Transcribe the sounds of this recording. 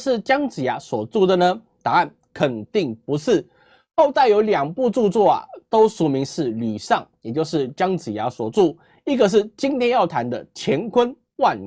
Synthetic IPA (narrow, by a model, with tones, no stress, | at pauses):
ʂɻ̩˥˩t͡ɕjɑ˥ŋt͡sɹ̩˨˩ja˧˥swɔ˨˩t͡su˥˩d̪ə˨nə˦ | t̪a˧˦a˥˩n | kʰə˨˩nt̪i˥˩ŋpu˧˦ʂɻ̩˥˩˨ | xo˥˧ʊt̪a˥˩ɪjo˧˥ʊljɑ˨˩ŋpu˥˧ʈ͡ʂu˥˧t͡swɔ˥˩a̰˨t̪o˥ʊʂu˨˩mi˨˧˥ŋʂɻ̩˥˩ly˨˩ʂɑ˥˩ŋjɛ˨˩t͡ɕjo˥˧ʊʂɻ̩˥˨t͡ɕjɑ˦˥ŋt͡sɹ̩˨˩ja˧˥swɔ˨˩t͡su˥˩ | i˦˥ɡə˨ʂ̬ɻ̩˥˩t͡ɕi˦nt̪ʰjɛ˥njɑ˥˩ʊt̪ʰa˧˦nd̪ə˨t͡ɕʰjɛ˧˥nkʰwə˦n | wa˥˧n